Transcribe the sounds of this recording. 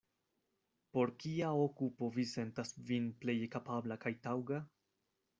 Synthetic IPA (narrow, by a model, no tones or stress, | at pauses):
po̞ɾkiaokupo̞vise̞ntasvinple̞jkapablakajtawɡa